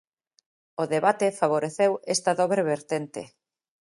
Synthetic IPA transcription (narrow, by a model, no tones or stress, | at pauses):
oðeβat̪efaβ̞oɾeθewest̪ɐðɔβɾeβeɾt̪ent̪ɪ̰